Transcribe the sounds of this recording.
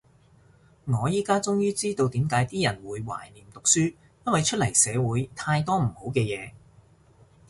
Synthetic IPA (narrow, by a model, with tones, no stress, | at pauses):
ŋɔː˨˧jiː˥kaː˥t͡sʊ˥ŋjyː˥t͡siː˥t̪o˧wt̪iː˨˥mkaː˨˥jt̪iː˥jɐ˨˩nwuː˨˧jwa̰ː˨˩jniː˨˩mt̪ʊ˨k̚syː˥ | jɐ˥n̚wɐ˨jt͡ʃʰɵ˥t̚lɐ˨˩jsɛː˨˧wuː˨˥jt̪ʰaː˧jt̪̬ɔː˥m̩˨˩ho˨˥wkɛː˧jɛː˨˧